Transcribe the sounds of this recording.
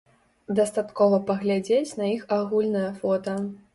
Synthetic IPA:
d̪ɐst̪at̪kɔvɐpɐɣlʲad͡zʲet͡sʲnɐixaɣulʲnɐjɐfɔt̪ɐ

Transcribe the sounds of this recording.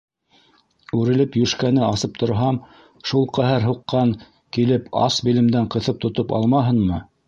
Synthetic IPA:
ʉɾɘ̆lɘpjɵʃkænɘɑsɤp̚t̪ʰŏɾɦɑm | ʃulˠqæɦæɾɦuqːɑŋ | kilɘpʰɑ̰sbilɘ̆md̪æɴqɤ̆θɤp̚t̪ŏt̪opɑ̰lˠmɑɦɤ̆nmɤ

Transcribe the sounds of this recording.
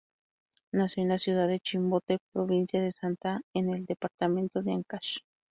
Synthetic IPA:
nasjonasjuð̞aðet͡ʃimbot̪epɾoβinsjaðesant̪aeneld̪epaɾt̪amẽnt̪oðeaŋkaʃ

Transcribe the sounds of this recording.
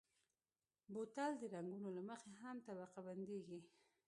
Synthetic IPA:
bot̪ald̪əɾaŋɡunolaməxeɦamt̪abaqaband̪eɡi

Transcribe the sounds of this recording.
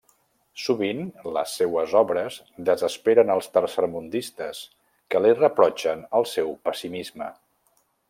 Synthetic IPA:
suβinlə̰sːewəzɔβɾəz | d̪əzəspeɾənəlˠst̪əɾsəɾmund̪ist̪əs | kəlirəpɾɔt͡ʃənəlˠsɛwpəsimizmə̰

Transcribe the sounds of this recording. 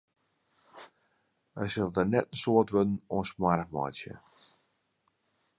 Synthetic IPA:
əsəlˠdənɛtənsoətʋødn̩ɔnsmarəkmɔ̰jsjə̰

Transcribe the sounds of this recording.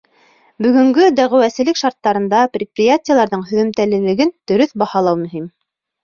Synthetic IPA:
bɵ̆ɡɵ̆ŋɡɵd̪æʁɘ̆wæsɘ̆lɘkʃɑɾt̪ːɑɾɤ̆nd̪ɑprʲɪt̪̚prʲɪjatʲɪjəlˠɑɾðɤɴɦɵ̆ðɵ̆mt̪ælɘ̆lɘ̆ɡɘnd̪̥ɵ̆ɾɵθbɑhɑlˠɑwmɵ̆ɦim

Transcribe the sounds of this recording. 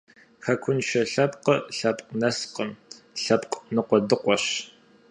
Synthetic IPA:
xɐkʷʰʊnʃɐɬɐpqəɬɐpʼqnɐsqəm | ɬɐpqʼnɨqʷɔdɨqʷɔɕ

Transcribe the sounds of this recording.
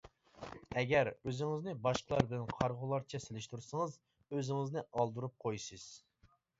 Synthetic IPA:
ɛɡʲæɾøzɪŋɪznɪbɑʃqʰəlˠɑɾbɪlɛnqʰɑɾʁʊlˠɑɾt͡ʃʰɛselɪʃt̪uɾsəŋɨz | øzɪŋɪznɪɑlˠd̪uɾup̚qʰojsɨz̥

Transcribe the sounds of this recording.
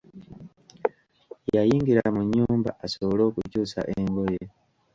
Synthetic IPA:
jajiːŋɡiɾamuɲːuːmba̰asoβolo̞ːkucuːsa̰ʔeŋɡo̞je

